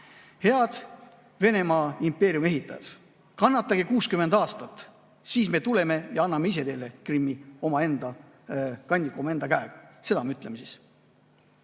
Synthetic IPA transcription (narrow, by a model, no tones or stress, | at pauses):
he̞ɑd̪̥ | ve̞ne̞mɑːimpe̞ːɾjume̞ɦit̪ːˑɑ̰jɑ̰s | kɑnːɑt̪ːˑɑɡekuːskymend̪ɑːst̪ɑt̪ː | siːsme̞t̪ule̞me̞jɑɑnːɑmeise̞d̪e̞ːle̞krimːio̞mɑe̞nd̪̥ɑ | kɑnʲd̪ikːuomɑend̪ɑkæeɡ̥ɑ̥se̞d̪ɑmɑyt̪ːˑle̞mesiːs